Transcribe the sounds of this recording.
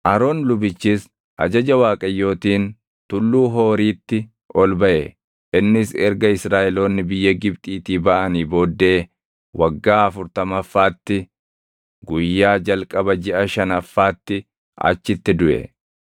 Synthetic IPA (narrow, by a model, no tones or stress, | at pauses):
ʔɐɾo̞ːnlʊbɪt͡ʃːis | ʔɐ̰d͡ʒɐd͡ʒɐwaːkʼɐjːo̞ːt̪iːn | t̪ʊlːuːɦo̞ːɾiːt̪ːɪ | ʔɔlbɐʔɛ | ʔɪnːɪsɛɾɡɐɪsɾaːʔɛlo̞ːnːɪbɪjːɐɡɪbt̪ʼiːt̪iːbɐʔɐniːbo̞ːd̪ːe̞ː | wɐɡːaːɐfʊɾt̪ɐmɐfːaːt̪ːɪ | ɡʊjːaːd͡ʒɐlkʼɐbɐd͡ʒɪʔɐʃɐnɐfːaːt̪ːɪ | ɐ̰t͡ʃːɪt̪ːɪd̪ʊʔɛ̰